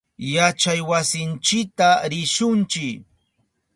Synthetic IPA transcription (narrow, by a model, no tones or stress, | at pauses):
jat͡ʃajwasɪnt͡ʃɪk̚t̪aɾɪʃʊnt͡ʃɪk